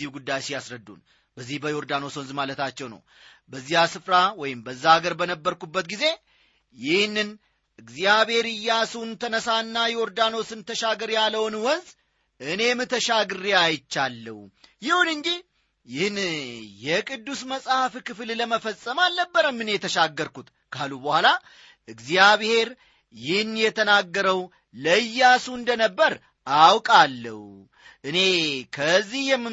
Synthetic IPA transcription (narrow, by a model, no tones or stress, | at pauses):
ihɡud̪ːajsijasɾəd̪ːṵn | bəzːihbəjoɾd̪ano̞swɔnzmalət̪ʰat͡ʃːɛwnə̰w | bəzːijasɨfɾawɔjɪmbəzːaaɡəɾbənəbːəɾkubːət̪ɡize̞ | jɪhnːɨn | ʔɨɡzijaβe̞ɾɨjːasuwnt̪ʰənəsanːajɛɔɾd̪ano̞sɨnt̪ʰəʃaɡəɾjalːəwnwɔnz | ʔɨne̞mɨt̪ʰəʃaɡɨɾiajt͡ʃːalːə̰wjɪhunɨnd͡ʒi | jɪhnjɛkʼɨd̪ːusməsʼhafkɨflləməfəsʼːəmalnəbːəɾəmːɨnjɛt̪ʰəʃaɡːəɾkut̪ | kʰalubəhʷala | ʔɨɡzijaβhe̞ɾ | jɪhnjɛt̪ʰənaɡːəɾəw | ləjːasuɨnd̪ənəbːəɾ | awkʼalːə̰hu | ʔɨne̞kʰəzːihjɛmːɨ